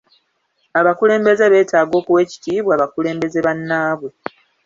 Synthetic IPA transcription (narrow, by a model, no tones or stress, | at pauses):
aβakule̞ːmbe̞ze̞βe̞ːtaːɡo̞ːkuwe̞ːci̥tiːβwaːβakule̞ːmbe̞ze̞βanːaːβwe̞